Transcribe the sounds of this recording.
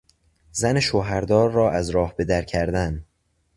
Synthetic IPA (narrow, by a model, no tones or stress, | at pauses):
zæneʃoɦæɾd̪ɒːɾːɒːʔæzɾɒːhbe̞d̪æɾcʰæɾd̪æn